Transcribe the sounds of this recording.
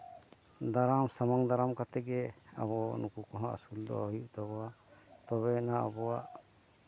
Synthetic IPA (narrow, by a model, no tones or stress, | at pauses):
d̪aɾamsamaŋd̪aɾamkat̪ɛɡɛa̰βɔnukukɔɦãʔa̰suld̪ɔ̰ɔjuʔt̪ɔbɔwat̪ɔβɛnaa̰bɔwa̰ʔ